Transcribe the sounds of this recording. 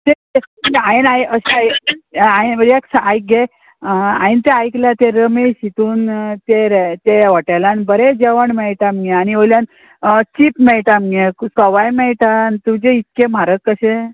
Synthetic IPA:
t̪et̪eainajəɕeajajnəɾaksajk̚ɡe | a̰int̪eajklat̪eɾəmeɕit̪uːnt̪eɾt̪eʋəʈajlanbəɾed͡ʑeʋəɳmɛɭʈamɡeaniʋojljan | t͡ɕipmɛɭʈamɡeksəʋajmɛɭʈant̪ud͡ʑeit̪̚kemaɾəkːəɕe

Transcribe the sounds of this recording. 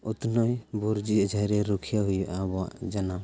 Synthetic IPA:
ɔt̪nɔjbɔɾd͡ʒiəd͡ʒʱajɾɛɾɔkʰijaɦujʔabɔa̰d͡ʒana

